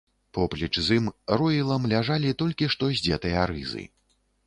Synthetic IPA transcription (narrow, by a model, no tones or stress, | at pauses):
pɔplʲit͡ʂzɨmrɔjilˠɐmlʲaʐalʲit̪ɔlʲkʲiʂt̪ɔzʲd͡zʲɛt̪ɐjɐɾɨ̰zɨ̰